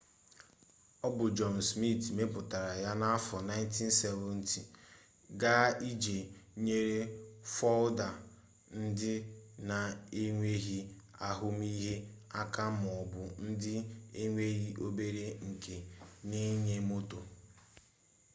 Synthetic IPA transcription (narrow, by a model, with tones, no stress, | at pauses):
ɔ˦bʊ˨d͡ʒɔ˨m̩˨smi˦˨tme˦pʊ˨ta˨ɾa˨ja˦na˦a˦fɔ˨na˦ɪ˦n˦ti˦n̩˦sɛ˦vɔ˦˨n̩˦ti˨ | ɡa˦i˦d͡ʒe˨ɲe˦ɾe˦fɔ˦lda˨ | n̩˦dɪ˦na˨e˦ŋʷe˦ɦi˦ | a˦ɦʊ˦m˦i˦ɦe˦a˦ka˦m˨ɔ˨bʊ˨n̩˦dɪ˦e˦ŋʷe˦ɦi˦ʔo˦be˦ɾe˦ŋ̩˨ke˨ni˦ɲe˦mo˦to˨